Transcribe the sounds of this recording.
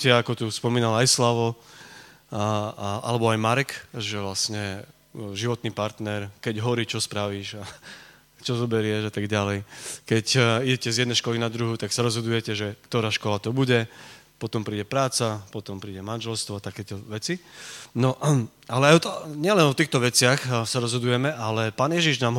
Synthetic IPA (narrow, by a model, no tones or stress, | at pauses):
takɔt̪uspɔmiːnalajslaːʋɔ | a̰lɛbɔajmaɾɛkʒɛʋlasɲɛ | ʒiʋɔt̪niːpaɾt̪nɛɾkɛɟɦɔɾiːt͡ʃɔspɾaʋiːʒa | t͡ʃɔzɔbɛɾɪɛʒat̪aɡɟalɛjkɛciɟɛcɛzjɛd̪nɛjʃkɔlinad̪ɾuɦut̪aksaɾɔzɦɔd̪ujɛcɛʒɛkt̪ɔɾaːʃkɔlat̪ɔbuɟɛ | pɔt̪ɔmpɾiːɟɛpɾaːt͡sapɔt̪ɔmpɾiːɟɛmanʒɛlst̪ʋɔat̪akɛːt̪ɔʋɛt͡sinɔ | alɛajɔt̪ɲɪɛlɛnɔt̪iːxt̪ɔʋɛt͡sɪaxsaɾɔzɦɔd̪ujɛmɛʔalɛpaːnjɛʒiʒnaːmɦ